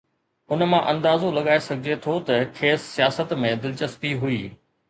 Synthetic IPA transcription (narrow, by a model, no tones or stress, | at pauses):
ʊnmãʔɐ̃nd̪aːzolɐɠaːesɐɡʱɪd͡ʑet̪ʰot̪ɐkʰeːsːijaːsət̪mẽd̪ɪlt͡ɕəsp̪iɦʊiː